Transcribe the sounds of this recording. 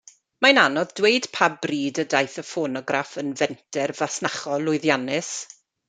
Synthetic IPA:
mananɔðdweɨd̥pʰabbriːdədajθəfonɔɡrafənvɛntʰɛrvasnaχɔlˠʊɨðjanɪs

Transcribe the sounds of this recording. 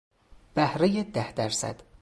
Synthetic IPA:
b̥æhɾejed̪æhd̪æɾsæ̰d̪̥

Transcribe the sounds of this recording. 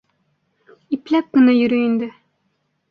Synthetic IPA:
iplæp̚kɵ̆najɵ̆ɾɵjind̪ɘ

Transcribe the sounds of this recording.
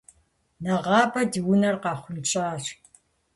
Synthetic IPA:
nɐʁɑːbɐdiwʊnɐrqɑːχʷʊlt͡ʃʼaːʂ

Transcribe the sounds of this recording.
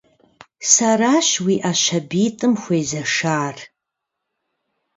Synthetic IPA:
saraːʃwiʔaʃɐbiːtʼɨmxʷejzɐʂaːr

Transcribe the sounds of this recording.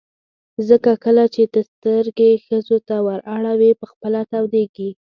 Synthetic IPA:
zəkakəlat͡ʃed̪əst̪əɾɡexəzot̪awaɾaɽawepəxpəlat̪awd̪eɡi

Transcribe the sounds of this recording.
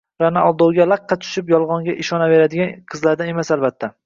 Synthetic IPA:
ɾanaʔɒlˠd̪owɡʲalaqːɑt͡ʃ̪ʰʊ̥ʃɪpjɒlˠʁɒŋɡʲaʔɪʃɒnave̞ɾad̪ɪɡʲanqʰɨzlaɾd̪ane̞masalbat̪ʰːa

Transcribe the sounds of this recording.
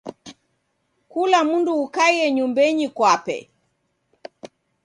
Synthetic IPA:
kulamunduːkajɛɲumbɛɲikwapɛ̰

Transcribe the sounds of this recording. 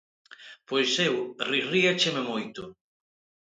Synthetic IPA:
pojsewririat͡ʃememojt̪ʊ

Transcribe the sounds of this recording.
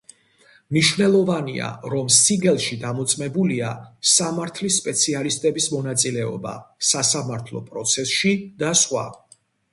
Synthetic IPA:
mniʃvnɛlˠɔvania̰ɾɔmsiɡɛlˠʃid̪amɔt̪sʼmɛbuliasamaɾt̪ʰlisːpʼɛt̪sʰialist̪ʼɛbismɔnat̪sʼilɛɔ̰ba̰sasamaɾt̪ʰlˠɔ̰pʼɾɔt̪sʰɛsʃid̪̥asχwa̰

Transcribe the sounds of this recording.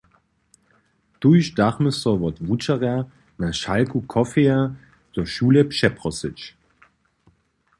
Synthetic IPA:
d̥uʃd̥aχməsɔvɔtvut͡ʃɐʁɛɐ | naʃalkukʰɔfea | t͡suːɐʃuːləpʃɛpʁɔsɪt͡ʃ

